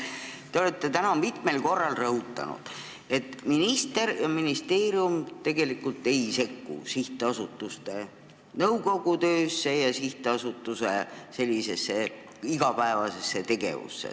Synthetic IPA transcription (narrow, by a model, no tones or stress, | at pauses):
t̪e̞o̞le̞t̪ːe̞t̪ænɑmit̪ˑme̞lko̞rːɑlrɤɦut̪ːˑɑ̰nṵd̪̥ | e̞t̪ˑminist̪e̞ɾjɑminist̪e̞ːɾiumt̪e̞ɡe̞likːult̪ːe̞ise̞kːṵsiht̪ˑeɑsut̪ˑːust̪e̞ | nɤwko̞ɡ̥ut̪ø̞ːsːe̞jɑsiht̪eɑsut̪ːˑusese̞lʲːise̞sːe̞ | iɡɑpæevɑse̞sːe̞t̪e̞ɡ̥e̞̰vṵsːḛ